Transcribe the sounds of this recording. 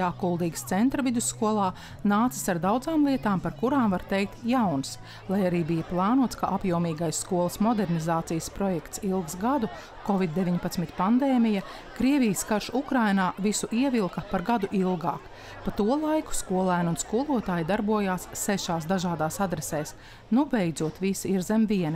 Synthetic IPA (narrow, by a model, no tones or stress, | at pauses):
aːkulˠd̪iːɡkst̪sɛnt̪ɾɐvid̪usːkuɔlˠaː | naːt̪si̥saɾd̪awd̪zaːmlˠiɛt̪aːmpaɾkuɾaːmvaɾt̪ɛjk̚t̪jawns | lˠajaɾiːbijɐplˠɑːnuɔt̪skaʔapjuɔmiːɡajsːkuɔlˠəsmɔd̪ɛɾnizaːt̪sijəspɾɔjɛkt̪silˠɡsɡad̪u | kɔvid̪̚ːevʲiɲpat̪smit̪ʲpand̪ɛːmijɐ | kɾiɛvijskaɾʃukɾajnaːvisuʔiɛvilˠkɐpaɾɡad̪uʔilˠɡa̰ːk | pat̪uɔlˠajku̥skuɔlˠæːnunskuɔlˠuɔt̪aːjd̪aɾbuɔjaːsːɛʃaːsd̪aʒaːd̪aːsad̪ɾɛsɛːs | nubɛjd̪zuɔt̪visiɾzɛmviɛni